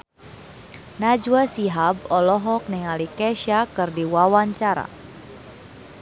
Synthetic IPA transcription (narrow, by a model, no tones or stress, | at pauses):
nad͡ʒuasiɦabɔlɔɦɔk̚nɛŋalikɛʃakɨrdiwawaɲt͡ʃaɾa̰